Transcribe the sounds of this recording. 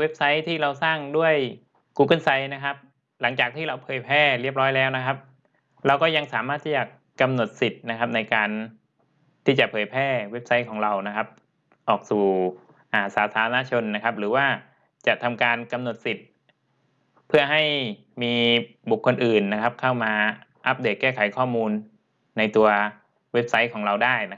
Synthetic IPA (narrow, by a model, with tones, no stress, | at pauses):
we˦˥p̚sa˦˥jt̪ʰiː˥˩ɾa˧wsaː˥˩ŋdu˥˩əj | kuː˧kɤ˥˩nsa˦˥jna˦˥kʰa˦˥p̚ | la˩˦ŋt͡ɕaː˨˩k̚t̪ʰiː˥˩ɾa˧wpʰɤː˨˩jpʰɛː˥˩ɾi˥˩əp̚ɾɔː˦˥jlɛː˦˥wna˦˥kʰa˦˥p̚ | ɾa˧wkɔː˥˩ja˧ŋsaː˩˦maː˥˩t̪ʰːiː˥˩t͡ɕaː˨˩kːa˧mno˨˩t̪̚si˨˩t̪̚na˦˥kʰa˦˥p̚na˧jkaː˧n | t̪ʰiː˥˩t͡ɕa˨˩pʰɤː˨˩˦jpʰɛː˥˩we˦˥p̚sa˦˥jkʰɔː˩˦ŋɾa˧wna˦˥kʰa˦˥p̚ | ʔɔː˨˩k̚suː˨˩ | ʔaː˨˩saː˩˦˥t̪ʰaː˨˦ɾa˧na˦˧˥t͡ɕʰo˧nːa˦˥kʰa˦˥p̚ɾɯː˩˦waː˥˩ | t͡ɕa˨˩ʔt̪ʰa˧mkaː˧nka˧mno˨˩t̪̚si˨˩t̪̚ | pʰɯ˥˩ɐɦa˥˩j | miː˧bu˨˩kʰːo˧nʔɯː˨˩nːa˦˥kʰa˦˥p̚kʰa˥˩wmaː˧ʔa˦˥p̚deː˨˩t̪̚kɛː˥˩kʰa˨˩˦jkʰɔː˥˩muː˧nː | a˧jt̪u˧ɐ | we˦˥p̚sa˦˥jkʰɔː˩˦ŋɾa˧wdaː˥˩jna˦˥